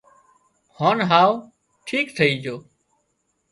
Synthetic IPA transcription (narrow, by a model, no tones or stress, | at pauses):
hoːnɦaːw | ʈʰiːkt̪ʰəiːd͡ʒoː